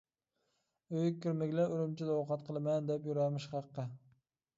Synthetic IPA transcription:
øjkʲʰːɪɾmɪɡʲlaɾɪmt͡ʃʰɪd̪aowqʰɑt̪qʰəlˠɪmɛnd̪ɛpjuɾɑmɪʃχɑqːɨ

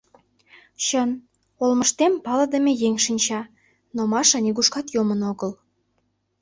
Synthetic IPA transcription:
ɕən | olməʃt̪empɑlə̆d̪ə̆mejeŋʲʃinʲt͡ɕɑ | nomɑʃɑnʲiɡuʃkɑt̪jomənoɣəl

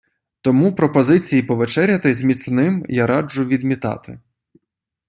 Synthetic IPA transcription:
t̪ɔmupɾɔpɔzɪt͡sʲijipɔʋet͡ʃɛɾʲjɐt̪ɪzʲmʲit̪snɪmjaɾɑd͡ʒʊʋʲid̪mʲit̪ɑ̰t̪ɪ̰

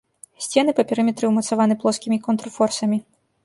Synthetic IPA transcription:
sʲt͡sʲɛnɨpɐpʲɛɾɨmʲɛt̪ɾɨwmɐt̪savanɨplˠɔskʲimʲikɔnt̪ɾɔfɔrsɐmʲi

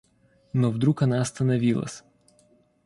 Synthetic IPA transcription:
nɔvd̪ɾukɐnaɐst̪ɐnɐvʲilˠɐ̰sʲ

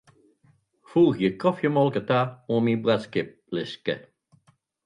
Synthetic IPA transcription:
fuːxjəkɔfjəmɔlˠkətaoːmibʁaskɪp̚lɪskə̰

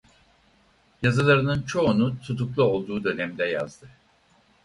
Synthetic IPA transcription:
jazɯlˠaɾɯnɯnt͡ʃʰo̞unut̪ʰut̪ʰuklˠuo̞lˠd̪uːd̪ø̞nɛmd̪ɛja̰zd̪ɯ

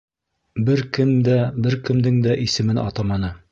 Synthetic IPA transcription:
bɘɾkɘmd̪æbɘɾkɘ̆md̪ɘŋd̪æʔisɘ̆mɘnʔɑ̰t̪ɑmɑnɤ

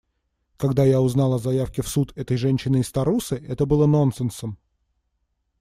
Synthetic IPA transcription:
kɐɡd̪ajaʊznɑlˠɐzɐjafkʲɪfsut̪ʰɛt̪əjʐɛnʲɕːɪnɨːst̪ɐɾusɨʔɛt̪əbɨlˠəno̞nsɨnsəm

